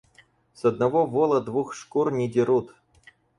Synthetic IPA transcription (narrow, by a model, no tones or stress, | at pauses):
sɐd̪̚nɐvovolˠəd̪vuxʂkurnʲɪdʲɪɾut̪